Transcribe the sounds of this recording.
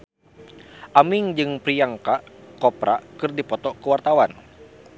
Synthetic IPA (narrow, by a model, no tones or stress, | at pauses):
ʔamiŋd͡ʒɨŋpɾijaŋkaʔkɔpɾakɨrdipɔt̪ɔkəwart̪awan